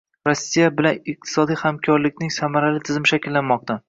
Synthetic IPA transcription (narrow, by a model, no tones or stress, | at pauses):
ɾɒsːijabɪlanɪq̚t̪ʰɪ̥sɒd̪ijhamkʲʰɒɾlɪkʲnɪŋsamaɾalɪt̪ʰɪzmɪʃakʲlːanmɒq̚t̪ʰa